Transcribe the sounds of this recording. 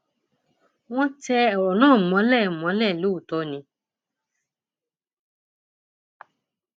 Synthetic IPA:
w̃ɔ̃˦tɛ˦˨nãː˦˨mɔ̃˨˦lɛ˦˨mɔ̃˨˦lɛ˦˨lo˨˦u˦˨tɔ˨˦nĩ˧˦

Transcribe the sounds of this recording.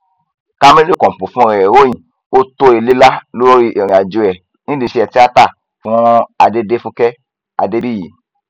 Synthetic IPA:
ka˦me˦li˦˨kɔ̃˨m̩˨po˨fũ˦ɾɛ˨ɛ˨wo˦j̃ĩ˨ | o˦to˧˦e˧li˦la˦lo˦ɾo˦ɾi˦ʔe˨ɾĩ˨a˨d͡ʒu˧ɛ˨ | nĩ˦li˧ʃe˧ɛ˧ti˦a˦ta˦˨ | fũ˦a˧de˦de˦fũ˦kɛ˦ | a̰˧de˦bi˦ji˨

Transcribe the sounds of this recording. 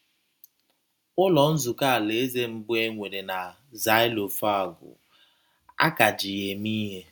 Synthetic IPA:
ʊ˦lɔ˨n̩˦zʊ˨ka˦a˨le˨˦ze˦m̩˨bʊ˦e˦ŋʷe˨ɾe˨na˨ | za˨˦ɪ˦lo˨fa˦˨ɡʊ̰˨ | a̰˦ka˨d͡ʒi˨je˨mi˦ɦe˦

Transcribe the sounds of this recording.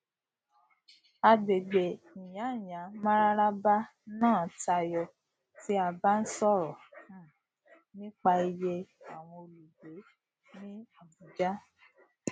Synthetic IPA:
a˧be˨ɡ͡be˨ | ĩ˨j̃ã˨˦˨jã˨˦mã˦ɾa˦ɾa˦ba˦nãː˦˨ta˧jɔ˧ | ti˦a˧ba˦n̩˦sɔ˦˨ɾɔ˨˦ | nĩ˦k͡pa˧i˧je˧a˨w̃ɔ̃˧o˧lu˨be˨˦ | nĩ˦a˨bu˨d͡ʒa˦

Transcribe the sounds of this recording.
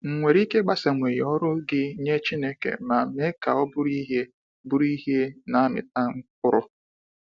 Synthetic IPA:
ŋ̩˨ŋʷe˨ɾi˦ke˦ɡ͡ba˦sa˨ŋʷe˨jɔ˦ɾʊ˦ɡɪ˦ɲe˦t͡ʃi˦ne˦kḛ˨ma˨me˦ka̰˨ɔ˦bʊ˦ɾi˦ɦe˦ | bʊ˦ɾi˦ɦe˦na˨˦mɪ̰˨ta˦ŋ̩˦k̚ʊ˦ɾʊ˦

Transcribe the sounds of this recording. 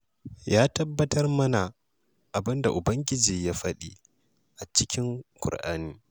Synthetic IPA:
jaː˦tɐ˦bːɐ˦tɐ˦rmɐ˦na˨ | ʔa˨bɪ˦nda˨ʔʊ˨bɐ˦ŋɡʲɪ˦d͡ʒiː˨jaː˦ɸɐ˦ɗi˦ | ʔa˨t͡ʃɪ˦kʲɪ˦ŋkʷʊ̰˨rʔa̰ː˦niː˦

